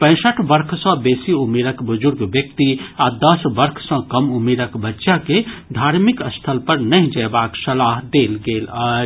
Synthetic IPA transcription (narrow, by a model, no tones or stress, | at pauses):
pə̃ɪ̃səʈʰbəɾkʰsə̃besiumeɾəkbud͡ʒuɾɡbjək̚t̪iad̪əsbəɾkʰsə̃kəmumeɾəkbətːʃaked̪ʱaɾmikəst̪ʰəlpəɾnəɦd͡ʒəjbaksəlaɦd̪elɡelə